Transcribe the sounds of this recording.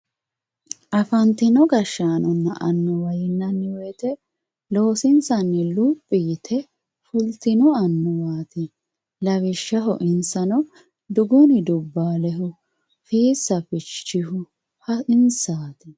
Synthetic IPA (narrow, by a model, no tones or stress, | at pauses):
ʔɐfɐnt̪ɪnɔɡɐʃːaːnɔnːɐʔɐnːɔwɐjɪnːɐnːɪwet̪ɛ | lo̞ːsɪnsɐnːɪlupʼːɪjɪt̪ʰɛ | fʊlt̪ɪnɔɐnːɔwaːt̪ɪ | lɐβɪʃːɐɦɔ̰ʔɪnsɐnɔ | d̪ʊɡʊnɪd̪ʊbːaːlɛɦʊ | fiːsɐfɪt͡ʃːɪhʊ | hɐɪnsaːt̪ɪ